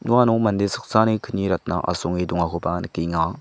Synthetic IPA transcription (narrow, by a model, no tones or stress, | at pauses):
ɲuanomand̪esʰəχt͡sanekʰəɲiɾat̪̚naʔa̰soŋwed̪oŋakʰopanəkːiŋa